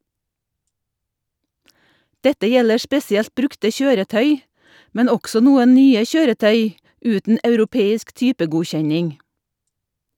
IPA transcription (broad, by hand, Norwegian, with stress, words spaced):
ˈdɛtə ˈjɛlə ˈspɛsɪɛlt ˈbɾʉktə ˈçøːɾəˌtœʏ ˈmɛn ˈɔɡsɔ ˈnuːən ˈnyːə ˈçøːɾəˌtœʏ ˈʉːtn̩ ɑʉɾʊˈpeːɪsk ˈtyːpəɡʊˌçɛɲɪŋ